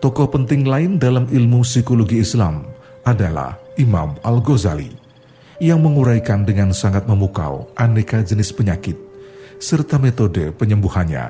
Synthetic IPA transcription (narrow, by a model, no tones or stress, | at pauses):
t̪ɔkɔhpənt̪ɪŋlaɪndalamilmusikoloɡiːslam | ʔadala̰hima̰malɡoza̰lḭ | jaŋməŋuɾajkandəŋansaŋat̪̚məmuka̰wʔanekad͡ʒənɪspəɲakɪt̪̚sərt̪amet̪odəpəɲəmbuhanɲa̰